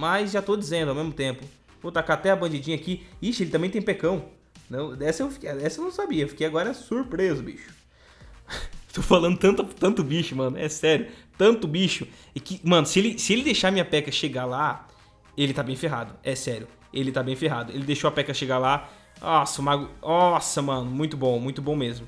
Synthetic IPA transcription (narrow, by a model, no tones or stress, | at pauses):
majzʒat̪od͡ʒizẽnd̪ʊawmezmʊt̪ẽmpʊ | vot̪akat̪ɛɐbɐ̃nd͡ʒid͡ʒĩɲɐakiiʃɐelɪt̪ɐ̃mẽt̪ẽj̃pekɐ̃w̃ | nɐ̃w̃ɛsɐewfi̥kɛsɐewnɐ̃w̃sabiɐewfi̥kejaɡɔɾɐsuɾpɾezʊbḭʃʊ̥ | t̪owfalɐ̃nd̪ʊt̪ɐ̃t̪ɐt̪ɐ̃nt̪ʊbiʃʊmɐ̃nʊɛsɛɾjʊt̪ɐ̃nt̪ʊbiʃʊ | ɪkɪmɐ̃nʊsɪelɪsɪelɪd̪ejʃamĩɲɐpɛkɐʃeɡala | elɪt̪abẽj̃feɦad̪ʊɛsɛɾjʊ | elɪt̪abẽj̃feɦad̪ʊelɪd̪ejʃowɐpɛkɐʃeɡala | ɔsɐmaɡʊɔsɐmɐ̃nʊmũj̃t̪ʊbõmũj̃t̪ʊbõw̃mezmʊ